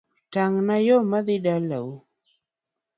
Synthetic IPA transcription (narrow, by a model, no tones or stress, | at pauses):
taŋnajomaðɪɗala̰u